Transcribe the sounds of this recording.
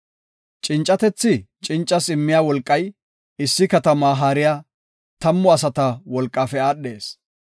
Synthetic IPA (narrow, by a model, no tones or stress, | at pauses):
t͡ʃʼɪnt͡ʃʼːɐt̪ɛt͡sːɪt͡ʃʼɪnt͡ʃʼːɐsɪmːɪjaːwɔlkʼːɐj | ɪsːɪkɐt̪ɐmaːɦaːɾɪjaː | t̪ɐmːʊɐsɐt̪ɐwɔlkʼːaːfɛaːɗːe̞ːs